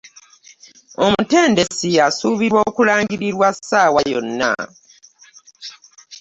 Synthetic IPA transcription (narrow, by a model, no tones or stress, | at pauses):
o̞mute̞ːnde̞siasuːβiɾwo̞ːkulaːŋɡiɾiɾwasaːwajo̞̰nːa̰